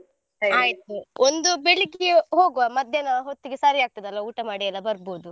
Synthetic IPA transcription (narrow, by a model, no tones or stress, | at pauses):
ɐaːjit̪̚uond̪ubeɭikiɦoːɡuʋamɐd̪ʱjɐnɐɦot̪ːiɡesaɾiaːɡ̚t̪id̪ɐlʋɐuːʈɐmaːɽijɐlːɐbɐɾboːd̪u